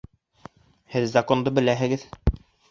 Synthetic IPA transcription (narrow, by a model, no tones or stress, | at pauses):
hɘðzɐko̞nd̪ɤbɘ̆læɦɘ̆ɡɘð